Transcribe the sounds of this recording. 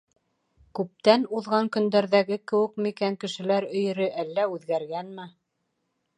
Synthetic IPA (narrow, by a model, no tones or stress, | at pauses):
kʉp̚t̪ænuðʁɑŋkɵ̆nd̪æɾðæɡɘkɘ̆wɘ̆k̚mɘ̆ikæŋkɘ̆ʃɘ̆læɾɵ̆j̆ɾɘʔælːæʉðɡæɾɡænmɘ